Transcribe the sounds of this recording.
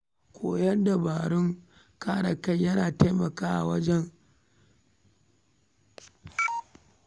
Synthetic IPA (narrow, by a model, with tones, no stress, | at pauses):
kʷʰoː˨jɐ˦nda˨baː˨ɽʊ˦ŋ | kaː˦ɽa˨ka˦jjɐ˦naː˨ta˦jmɐ˨kaː˦ʔa̰˨wɐ˦d͡ʒɛ˦ŋ